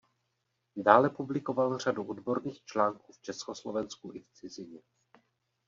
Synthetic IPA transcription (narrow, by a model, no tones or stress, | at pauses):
daːlɛpublɪko̞valr̝aduʔodbo̞ɾniːxt͡ʃlaːŋkuːft͡ʃɛskoslovɛnskuʔɪft͡sɪzɪɲɛ